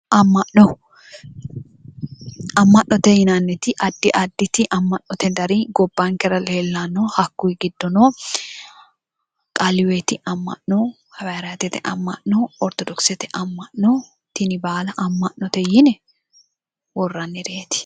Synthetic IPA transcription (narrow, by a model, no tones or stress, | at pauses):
ʔɐmːɐʔnɔ | ɐmːɐʔnɔt̪ɛjɪnanːɛt̪ɪʔɐd̪ːɪʔɐd̪ːɪt̪ɪʔɐmːɐʔːɔt̪ɛd̪ɐɾiɡɔbːaːŋkɛɾɐlelːanːoːhɐkːuɪɡɪd̪ːɔnoː | kʼɐlɪwet̪ɪʔɐmːɐ̰ʔno | hɐwaɾaːt̪ɛt̪ɛʔɐ̰mːɐʔnoɔɾt̪ɔd̪ɔksɛt̪ɛ̥ʔɐmːɐʔno | t̪ɪnɪbaːlɐʔɐmːɐʔnɔt̪ɛjɪnɛ | wɔrːɐnːɪɾeːt̪ɪ̥